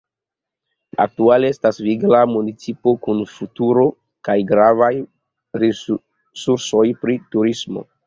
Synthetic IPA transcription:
a̰k̚tualeestasviɡlamunit͡sipo̞kunfutuɾo̞ | kajɡɾavaj | ɾi | suɾso̞jpɾituɾismo̞̰

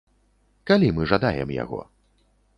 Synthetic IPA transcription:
kalʲimɨʐad̪ajɛ̰mja̰ɣɔ̰

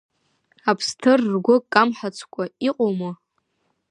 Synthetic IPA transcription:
apʰstʰɨrːɡʷʊkʼamħat͡sʷʰkʷʰʼaiqʷʼoma

